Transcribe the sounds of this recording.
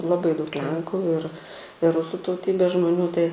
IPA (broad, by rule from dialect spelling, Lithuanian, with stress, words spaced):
lˠɐˈbɐɪ dɐʊk ˈlʲɛŋkʊ ɪr ɪ ˈrʊsʊ tɐʊˈtʲiːbʲeːs ʒmoːˈnʲuː tɐɪ